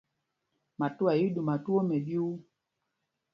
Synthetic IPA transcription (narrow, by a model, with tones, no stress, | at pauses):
ma˨tu˦a˨ji˦ɗu˨ma˨tu˦o˦mɛ˨bi˦u˦